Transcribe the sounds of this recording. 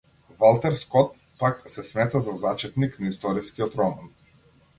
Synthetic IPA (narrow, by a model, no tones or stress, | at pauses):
valˠt̪ɛɾskɔt̪̚ | paksɛsmɛt̪azazat͡ʃɛt̪niknaist̪ɔɾiskiɔt̪ɾɔman